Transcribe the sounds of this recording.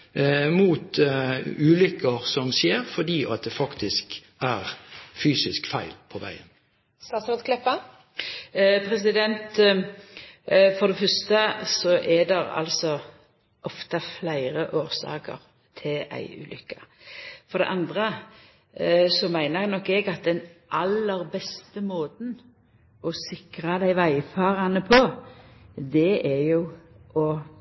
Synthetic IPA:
muːt̪ | ʉːlʏkːəʁsɔmsjeːʁfɔd̪iːʔɑt̪̚d̪ɛfɑkt̪ɪsk | æʁfyːsɪskfæɪlpʰɔʋæ̰ɪən | st̪ɑːt̪sɔt̪klɛpːə | pʰɾɛs̬ɪd̪ɛnt̪ | fɔd̪ɛfœst̪əsɔʔɛd̪ɛɾɑ̰lsɔ | ʔɔft̪ɑflæɪɾəʔoːɾsɑ̰ːkə̰ɾ | t̪ʰɪlæ̰ɪʉ̰ːlʏ̰kːəfɔɾd̪ɛ̰ʔɑnd̪ʁə | sɔmæɪnəʁnɔkːɛɡɑt̪̚d̪ɛnʔɑlːəɾbɛst̪əmoːt̪n | ɔsɪkɾɑd̪æɪʋæɪfɑːʁɑnəpʰɔ | d̪ɛʔɛjʊ | ɔ

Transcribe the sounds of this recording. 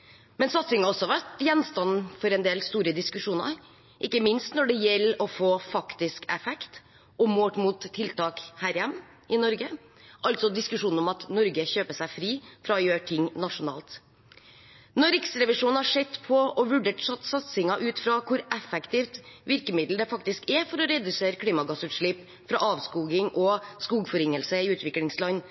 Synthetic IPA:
mɛnsɑt̪sɪŋɑɔsːɔhɑʋæʈjɛnːst̪ɑnːfɔɾɛnd̪eːlst̪uːɾəd̪ɪskʉʂuːnɑ̰ | ʔɪkːəmɪnst̪nɔɖɛjɛlːəɔfoːfɑkt̪ɪskɛfɛkt̪ | ɔmːoːʈmuːt̪ʰːɪlt̪ʰɑːkhæːɾjɛmː | ɪnɔɾɡə | ʔɑlt̪sɔd̪ɪskʉʂuːnɔmɑt̪nɔɾɡəçøːpəsæɪfɾiːfɾɑɔjøːʈʰɪŋnɑʂʊnɑ̰ːlt̪ | nɔɾɪksɾɛʋɪʂuːnhɑʂɛt̪ːpʰɔɔʋʉɖeːʈsɑt̪sɑt̪sɪŋɑʔʉːt̪fɾɑkʰʊɾɛfɛkt̪ift̪ʋɪɾkəmɪd̪l̩d̪ɛfɑkt̪ɪskɛfɔɾɔɾɛd̪ʉseːɾəkʰliːmɑɡɑsʉːt̪ʂɭiːp | fɾɑ̰ʔɑːʋskuːɡɪŋʔɔskuːɡfɔɾɪŋːəlsəɪʉːt̪ʋɪklɪŋslɑnː

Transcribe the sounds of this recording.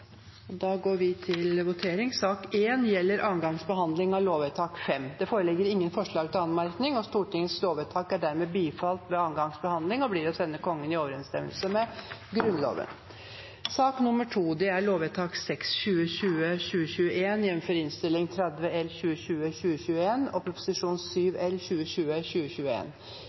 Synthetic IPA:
ɔd̪ɑɡoːɾʋɪt̪ʰɪlʋʊt̪ʰeːɾɪŋsɑːkeːnjɛlːəɾʔɑːnɡɑŋsbəɦɑnd̪lɪŋɑʋloːʋɛt̪ʰɑːkfɛmd̪ɛfoːɾəlɪɡːəɾɪŋːənfɔʂɭɑːɡ̚t̪ʰɪlɑnmɑɾknɪŋɔst̪uːʈɪŋːəsloːʋɛt̪ʰɑːkæɖæɾmeːbiːfɑlt̪ʋɛɑːnɡɑŋsbəhɑnd̪lɪŋɔbliːɾɔsɛnːəkʰɔŋːənɪoːʋəɾɛnst̪ɛ̰mə̰lsəmɛɡɾʉnlo̰ːʋə̰n | sɑːknʊməʈʰuːd̪ɛæɭoːʋɛt̪ʰɑːksɛksɕʉːəɕʉːəɕʉːəɕʉːəʔeːnɪɛnfɔɾɪnst̪ɪlːɪŋt̪ʰɾɛd̪ʋəɛlɕʉːəɕʉːəçʉːəɕʉːəeːnɔpʰɾʊpʊ̥sɪʂuːnsyːʋɛlɕʉːəɕʉːəɕʉːəɕʉːəḛːn

